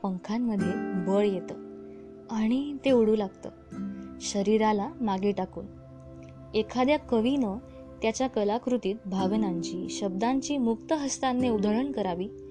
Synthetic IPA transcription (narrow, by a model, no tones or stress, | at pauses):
pəŋkʰamːəd̪ʱːjebəɭjet̪ə | aɽ̃it̪euɽ̤uːlaɡt̪əːɕəɾiɾalamaɡeʈakṵːn | ekʰad̪jakəʋinə | t̪jat͡ɕjakəlakɾut̪iːt̪̚bʱaʋnaɲt͡ɕiːɕəb̚d̪aɲt͡ɕiːmuk̚t̪əɦəst̪anːeud̪ʱəɭəɳkəɾaʋiː